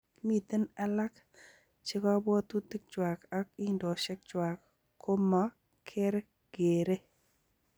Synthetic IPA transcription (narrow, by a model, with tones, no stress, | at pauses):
mi˨t̪e˦na˦la˦k | t͡ʃɪ˦kɔ˦bɔ˦t̪u˦ti˦k̚t͡ʃwa˨ka˦ki˦ndo˨ʃɛ˦k̚t͡ʃwa˨k | kʰo˦mɔ˦ | kʰɪ˦ɾ | ɡ̥e˨ɾe˦